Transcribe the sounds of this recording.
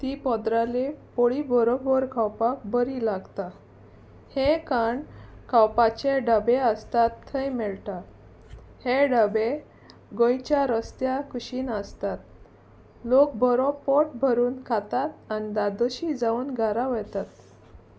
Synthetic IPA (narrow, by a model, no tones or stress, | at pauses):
t̪ipɔd̪ɾalepoɭibʱɔɾɔbəɾkʰawpak̚bəɾilaɡt̪a | hekaɳkʰawpat͡ɕeɖəbeəst̪at̪ʰːəjmɛɭt̪a | heɖəbe | ɡõjt͡ɕjaɾəst̪jakuɕiːnəst̪at̪̚ | lok̚bʱɔɾɔpɔʈbʱəɾuːnkʰat̪at̪anid̪ad̪ɔɕid͡zauːnɡʱaɾaʋəjt̪at̪